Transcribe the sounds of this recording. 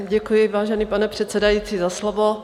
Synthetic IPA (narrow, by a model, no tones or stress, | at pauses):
ɟɛkujɪvaːʒɛniːpanɛpr̝̥ɛt̪sɛdajiːt͡siːzaslovo